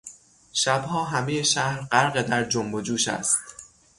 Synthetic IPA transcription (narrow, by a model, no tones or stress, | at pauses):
ʃæbhɒːɦæmejeʃæhɾɢæɾɢed̪æɾd͡ʒombod͡ʒuːʃæ̰st̪